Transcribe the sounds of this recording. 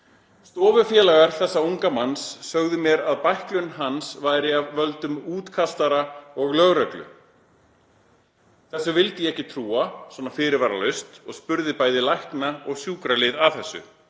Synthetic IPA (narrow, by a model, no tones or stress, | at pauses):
st̪ɔːvʏfjɛːlaɣaɾ̥θɛsːauŋkamansːœɣðʏmjɛɾaðpajhklʏnɦansvaːjɾɪavːœlt̪ʏmuːt̪kʰast̪aɾaɔɣlœɣɾœklʏ̰ | θɛsːʏvɪlt̪ɪjɛɛhcɪt̪ʰɾuːaswɔːnafɪːɾɪɾvaːɾa̰lœɥst̪ɔɣspʏɾðɪpaːjðɪlajhknaɔɣsjuːkɾalɪðaθɛsːʏ̰